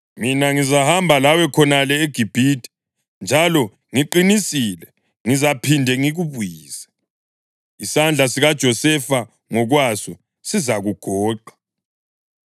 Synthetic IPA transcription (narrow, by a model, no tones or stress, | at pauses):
minaŋizahambʱalawɛkʰɔnalɛeɡ̥ʱib̥ʱitʰʼi̥ | nd͡ʒʱalɔ | ŋiǃinisilɛ | ŋizapʰindʱɛŋiɣuβujiːzḁ | isand͡ɮʱasiɣad̥ʒ̥ʱɔsɛfa | ŋɔɣwasɔ | sizaɣuɡ̥ʱɔːǃḁ